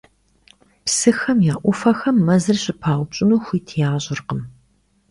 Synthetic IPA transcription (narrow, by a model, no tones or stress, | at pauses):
psɨxɐmjaːʔʷʊfɐxɐmːɐzɨrɕʼɪpʰaːwʷʊpɕʼɪnuːxʷiːtʰijaːɕʼɪrqəm